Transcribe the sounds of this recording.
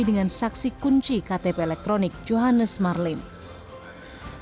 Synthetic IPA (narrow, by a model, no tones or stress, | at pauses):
idəŋansaksikuɲt͡ʃikat̪epeːlɛk̚t̪ɾonɪk̚d͡ʒoɦanəsmarlɪm